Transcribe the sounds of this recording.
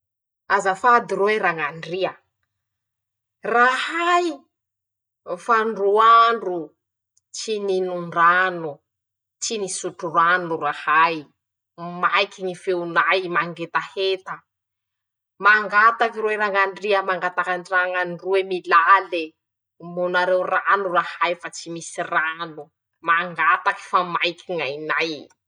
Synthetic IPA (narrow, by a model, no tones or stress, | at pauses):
azafad̪iɾoeɾaŋanɖ͡ʐiə | rahaj | faɳɖ͡ʐuaɳɖ͡ʐu | t͡ʃininuɳɖ͡ʐanu | t͡ʃinisuʈ͡ʂuranurahaj | majkiŋifeunajmaŋɡet̪ahet̪ə | maŋɡat̪akiɾuweɾaŋanɖ͡ʐiəmaŋɡat̪akanraŋanruemilale | munaɾewranurahajfat͡simisiranu | maŋɡat̪aki̥famajkiŋajnaj